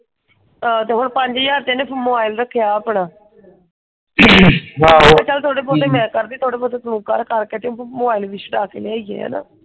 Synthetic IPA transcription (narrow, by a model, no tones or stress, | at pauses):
at̪eːɦʊɳpəɲd͡ʒjaːɾt̪ẽːnẽːpmobaːilɾəkʰːejaːaːpɳaː | ɦaːɛːt͡ʃəlt̪ʰoːɽeːpot̪eːmɛ̃ːkəɾd̪eːt̪ʰoːɽeːpot̪eːt̪mũːkəɾkəɾkeːt̪eːõmoːbaːilʋiːsəʈaːkḛːleːaːiɛ̰ːɦɛ̰ːna̰ː